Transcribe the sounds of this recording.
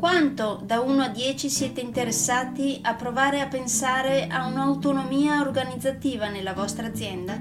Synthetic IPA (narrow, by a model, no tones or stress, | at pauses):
kwant̪od̪auːnoad̪jɛːt͡ʃisjɛːt̪eint̪eɾesːaːt̪iapːɾovaːɾeapːensaːɾeʔaunaːwt̪onomiːaorɡanid̪zːat̪iːvanelːavɔst̪ɾaːd̪zːjɛnd̪a